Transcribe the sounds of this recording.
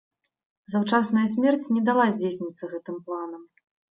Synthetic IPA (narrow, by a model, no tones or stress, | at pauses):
zawt͡ʂasnɐjɐsʲmʲɛrt͡sʲnʲɛd̪alˠazʲd͡zʲesʲnʲit̪sːɐɣɛt̪ɨmplˠanɐm